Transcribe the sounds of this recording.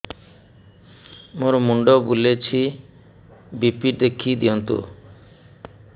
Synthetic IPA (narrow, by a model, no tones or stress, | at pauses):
moɾɔmuɳɖɔbulet͡ʃʰi | bipiɾd̪ekʰid̪iɔnt̪ṵ